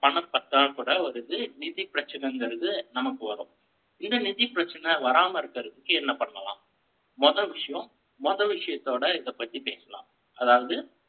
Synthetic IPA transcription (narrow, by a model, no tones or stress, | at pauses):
pɐɳɐpːɐt̪ːaːɭkuːɽɐɐɾɯðɯnɪðɪpɪɾɐt͡ʃːɐnɐŋɡɪɾɐðɯnɐmɐkːɯʋɐɾõ̰ː | ɪnd̪ɐnɪðɪpɪɾɐt͡ʃːɐnɐʋɐɾaːmɐɪɾɯkːɐɾɐðɯkːɯɛnːɐpɐɳːɐlã̰ː | mɔðɐlʋɪʂɐjɐ̃mː | ɔðɐʋɪʂɐjɐt̪ːoːɽɐɪðɐpːɐt̪ːipeːsɐlã̰ː | ɐðaːʋɐðɯ